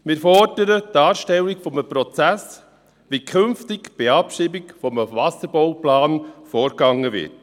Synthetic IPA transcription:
mɪɾfɔɾdəɾətːɑːɾʃtɛlːɪkfɔməpɾɔt͡sæs | ʋikʰʏnftɪkb̥iɑpʃiːbɪkfɔməvɑsəɾb̥ɔwplaːnfɔːɾɡɑŋːəvɪ̰t

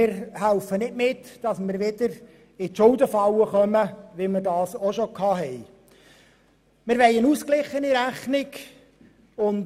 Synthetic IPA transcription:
ɪɾhælfənɪtmɪtd̥ɑsmɪɾʋɪd̥̪əɾ | ɪtʃʊldəfɑwəχœməʋimərdɑːsoʃɔkʰɑːɦɛj | mɪɾʋɛjənuːsklɪχːəniɾæχnɪɡ | ʊn

